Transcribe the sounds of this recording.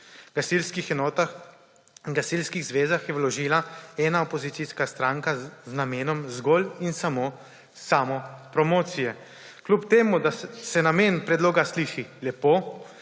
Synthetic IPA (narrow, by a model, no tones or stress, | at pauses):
ɡasilskixɛnɔːt̪ax | ŋɡasilskiɣzʋeːzaxjɛwlɔʒiːlaɛːnaɔpɔzit̪siskast̪ɾaːŋkaznameːnɔmzɡɔːlinsamoː | saːmɔpɾɔmɔːt̪sijɛ | klupt̪eːmud̪asɛnameːnpɾɛd̪loːɡasliːʃilɛpoː